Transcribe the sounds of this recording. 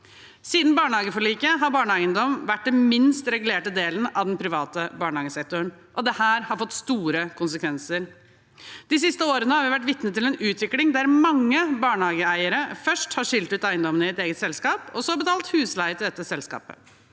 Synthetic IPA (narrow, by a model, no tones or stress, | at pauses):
siːd̪n̩bɑːɳhɑːɡəfɔɭiːkəɦɑɾbɑːɳəæɪənd̪ɔmʋæʈ̚ːd̪ɛnmɪnst̪ɾɛɡʉleːʈəd̪eːlənɑʋd̪ɛnpʰɾɪʋɑːt̪əbɑːɳəhɑːɡəsɛk̚t̪ʊɾn | ʔɔd̪ɛhæːɾhɑɾfɔt̪ːst̪uːɾəkʰʊnsəkʰʋɛnsəɾ | d̪̥ɪsɪst̪əoːɾənəhɑɾʋɪʋæʈ̬ːʋɪt̪nət̪ɪlɛnʉːt̪ʰʋɪklɪŋd̪æɾmɑŋːəbɑːɳhɑːɡəæɪəɾəfœʂʈhɑʂɪlt̪ʉːt̪æɪənd̪ɔmənɪɛt̪eːɡət̪sɛlskɑːpɔsɔɑbət̪ʰɑːlt̪hʉːslæɪət̪ɪld̪ɛt̪ːəsɛlskɑ̰ːpə̰